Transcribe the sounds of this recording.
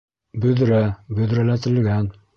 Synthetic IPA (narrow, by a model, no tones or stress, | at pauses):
bɵ̆ðɾæbɵ̆ðɾælæt̪ɘ̆lɡæn